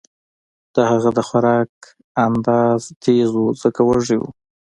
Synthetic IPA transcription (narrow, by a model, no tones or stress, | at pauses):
d̪̥əhaɣad̪əxaɾɑk̚ | and̪ɑz̥t̪ʰezuzəkawaʐiwṵ